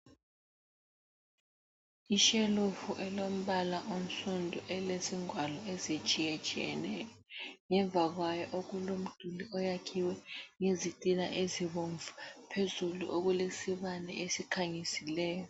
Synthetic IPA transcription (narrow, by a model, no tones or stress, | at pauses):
iʃelufuʔɛlom̩βalaʔom̩sundʱuʔɛlesiŋwalɔezit͡ʃʼijɛt͡ʃʼijɛ̰nɛjɔŋɛɱb̪vʱaɣwajɔʔoɣulom̩d̥ʱuliɔjakʰiwɛŋezitʼina̰ʔeziβoɱvupʰezulṵʔoɣulesiβanɛ̰ʔesikʰaŋisilɛːjɔ